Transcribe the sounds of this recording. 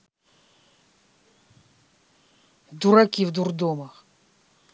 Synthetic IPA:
d̪uɾɐkʲivd̪urd̪omɐx

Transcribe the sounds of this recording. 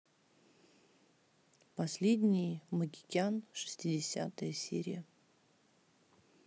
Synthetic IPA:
pɐsʲlʲedʲnʲɪjməɡʲɪkʲanʂɨ̥sʲtʲɪdʲɪsʲa̰t̪əjəsʲḛɾʲɪ̰jə

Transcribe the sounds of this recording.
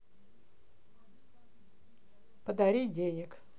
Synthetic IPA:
pəd̪aɾʲidʲenʲɪk

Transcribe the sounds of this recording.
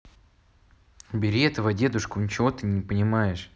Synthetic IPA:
bʲɪɾʲiɛt̪əvɐdʲe̞d̪ʊʂkʊnʲɪt͡ɕɪvo̞t̪ɨnʲɪpənʲɪmajɪʂ

